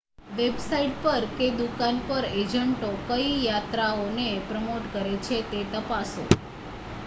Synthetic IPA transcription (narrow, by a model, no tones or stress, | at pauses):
ʋebsaiʈpəɾked̪ukanpəɾed͡ʒəɳʈokəijat̪ɾaonepɾəmoʈkəɾet͡ʃʰet̪et̪əpaso